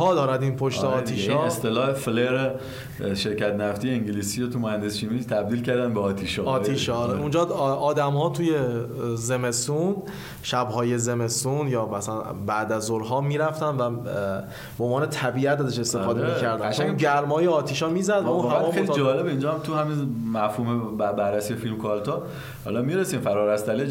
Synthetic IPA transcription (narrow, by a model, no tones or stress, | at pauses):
hɒːd̪ɒːɾæd̪iːnpʰoʃt̪eɒːiːʃɒest̪elɒːhefleɾe | ʃe̞ɾkæt̪næft̪ijeiŋɟiliːsiɾot̪ʰumohænd̪esʃimit̪ʰæb̚d̪iːlcʰæɾd̪ænbeɒːt̪ʰiʃɒːɒːiːʃɾeund͡ʒɒːɒːd̪æmhɒːt̪ʰuːje̞zeme̞sun | ʃæbɦɒːje̞ze̞me̞sunjɒːmæsælænbæd̪æzoɾɦɒːmiːɾæft̪ænvæ | bbeonvɒːnet̪ʰæbiæt̪æzeʃe̞st̪efɒːd̪emicʰæɾd̪ææʃæɟæɾmɒːjeɒːt̪ʰiːʃɒːmiːzæd̪vũnhæːejlid͡ʒɒːlebeiːnd͡ʒɒhæmt̪ʰuhæminmæfhuːmebæbæɾːæsijefilmkʰɒlt̪ʰɒ | hɒ̰ːlɒmiɾesiːmfæɾɒːɾæst̪æle